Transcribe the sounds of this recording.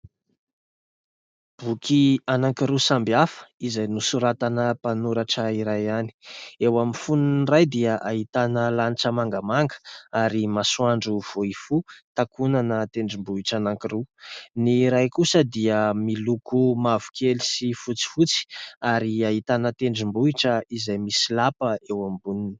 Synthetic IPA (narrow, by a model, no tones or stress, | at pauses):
b̥ukianaŋkiɾusambiafə̥izajnusuɾat̪anəpanuɾaʈ͡ʂəiɾajani̥ewaminfunnrajd̪iaʔaɦit̪anəlaniʈ͡ʂəmaŋɡamaŋɡə̥aɾimasuaɳɖ͡ʐuv̥oifut̪akʰunanət̪eɳɖ͡ʐimbuiʈ͡ʂanaŋkiruniɾajkusəd̪iəmilukumavu̥kʰelisifut͡si̥fut͡si̥aɾiaɦit̪anət̪eɳɖ͡ʐimbuiʈ͡ʂəizajmisilapəewambunini̥